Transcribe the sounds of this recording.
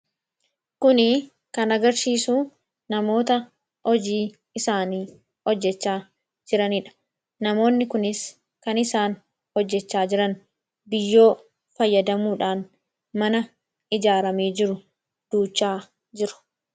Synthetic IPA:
kʊnɪ | kɐnɐɡɐɾsiːsuː | nɐmo̞ːt̪ɐ | hɔd͡ʒiː | ɪsaːniː | ɔd͡ʒːɛt͡ʃːaː | d͡ʒɪɾɐnɪᶑɐ̥ | nɐmo̞ːnːɪkʊnɪs | kɐnɪsaːn | hɔd͡ʒːɛt͡ʃːaːd͡ʒɪɾɐn | bɪjːo̞ː | fɐjːɐd̪ɐmuːᶑaːn | mɐnɐ | ɪd͡ʒaːɾɐmeːd͡ʒɪɾʊ | d̪̥uːt͡ʃːaː | d͡ʒɪɾʊ̥

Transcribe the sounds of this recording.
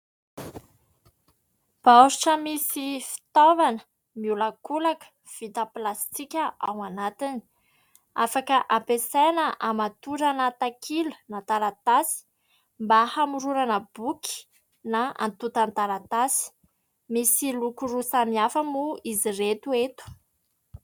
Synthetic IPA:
b̥awɾuʈ͡ʂəmisifi̥t̪ovanə̥ | miulakulakə̥ | v̥it̪əplast̪ikʲəʔawanat̪ini̥ | afakəʔampesanəʔamat̪uɾanat̪akʰilu̥nat̪aɾat̪asi̥ | mbahamuɾuɾanəb̥uki̥ | naa̰nt̪ut̪ant̪aɾat̪asi̥ | misilukurusamiafəmuiziret̪uet̪u̥

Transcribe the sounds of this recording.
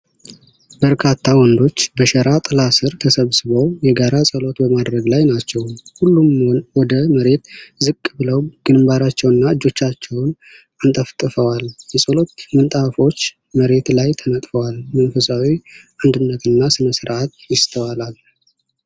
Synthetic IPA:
bəɾkʰat̪ʰːawɔnd̪o̞t͡ʃːbəʃəɾat̪ʼlasɨɾt̪ʰəsəβsɨβəwjɛɡaɾasʼəlo̞t̪bəmad̪ɾəɡlajnat͡ʃːɛwhulːumwɔd̪əməɾe̞t̪zɨkʼːbɨləwɡ̥ɨnmbaɾat͡ʃːɛwɨnːaɨd͡ʒːo̞t͡ʃːat͡ʃːɛwn | ant̪ʼəft̪ʼɨfəwaljɛsʼəlo̞t̪mɨnt̪ʼafo̞t͡ʃː | məɾe̞t̪lajt̪ʰəmət̪ʼfəwalmənfəsawiʔand̪ɨnːət̪ʰɨnːasɨnəsɨɾʔat̪jɪst̪ʰəwalal

